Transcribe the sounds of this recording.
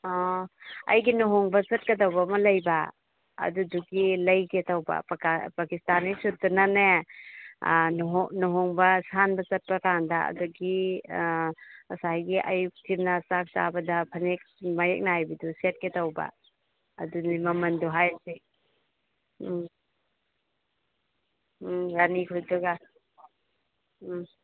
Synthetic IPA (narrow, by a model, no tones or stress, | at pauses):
ɔɐ̰jɡinɔɦoŋbɐt͡ʃɐt̚kɐdawbɐmɐlɐjbɐ̰ː | duduɡilɐjketawbɐ̰ppakistanisut̚dunane | nɦnɔɦɔŋbɐsanbɐt͡ʃɐt̚pɐkandɐɐ̰duɡi | ɐsajɡiʔɐ̰juk̚tʰiɾnɐsak̚sa̰bɐdɐpʰɐnek̚majek̚naajbiduset̚ketawbɐ̰ | ɐ̰dunimɐmɐnduɦajsi | ɾanikʰujduɡa